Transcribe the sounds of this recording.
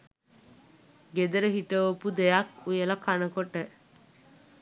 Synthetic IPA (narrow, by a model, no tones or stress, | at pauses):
ɡed̪ɐɾəɦiʈəopud̪ejɐkujelɐkʰanəkoʈːə